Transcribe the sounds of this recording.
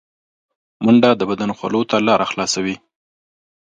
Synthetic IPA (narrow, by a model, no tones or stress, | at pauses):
maɳɖad̪əbad̪anoxwa̰lot̪alɑɾʔaxlɑsawi